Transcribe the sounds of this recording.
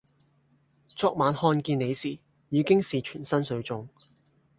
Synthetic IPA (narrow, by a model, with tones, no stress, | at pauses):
t͡sɔː˧˥k̚maː˨˧nhɔː˧nkiː˧ne˨˧jsiː˨˩ | jiː˨˧˥kɪ˥ŋsiː˨˩t͡ʃʰyː˨˩nsɐ˥nsɵ˨˧˥ɥt͡sʊ˧ŋ